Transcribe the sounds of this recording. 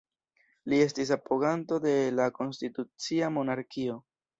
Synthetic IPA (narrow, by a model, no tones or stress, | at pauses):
lie̞stis̬apoɣanto̞de̞lako̞nstitut͡siamo̞naɾkio̞